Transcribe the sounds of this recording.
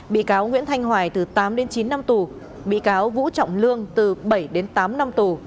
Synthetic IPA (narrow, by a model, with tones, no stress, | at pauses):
ɓḭ˧˨kaː˨˦wŋwḭ˧˥ənt̪ʰa˧jŋ̟ɦwaː˧˩jt̪ɨ˨˩t̪aː˨˦mɗe˨˦nt͡ɕi˨˦nːa˧mt̪u˨˩ | ɓḭ˧˨kaː˨˦wvṵ˧˥t͡ɕɔ̰˧˨wŋ͡mlɨ˧əŋt̪ɨ˨˩ɓə˧˩jɗe˨˦nt̪aː˨˦mna˧mt̪u˨˩